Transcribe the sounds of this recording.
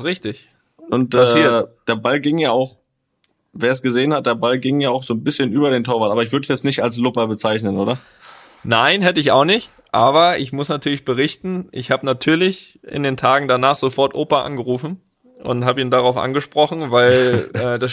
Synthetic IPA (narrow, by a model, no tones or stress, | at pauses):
sʁɪçtɪç | ʔʊntʔaɛsiːɐd̥eːɐbalɡɪŋjaːaʊx | veːɐs̬ɡ̥əzeːənhat̚d̥eːɐbalɡɪŋjaːaʊxz̥oːnbɪsçənʔyːbɐɾeːntʰoːɐvaːtʔaːɐɪçv̥ʏɐdəsjɛt͡snɪçtals̬lʊpɐbət͡saɪçnənʔoːdɾɐ | naɪnɦɛtəɪçaʊxnɪçt | ʔaːbɐʔɪçmʊsnatʰyːɐlɪçb̥əʁɪçtn̩ʔɪ̰çhaːbənatʰyːɐlɪç | ʔɪ̰ndeːntʰaːɡŋ̩danaːχz̥ofɔɐtʔoːpɐʔa̰nɡəʁuːfn̩ | ʔʊ̰nthaːbəiːndaʁaʊfʔa̰nɡəʃpʁ̥ɔχn̩vaɪlɛːdas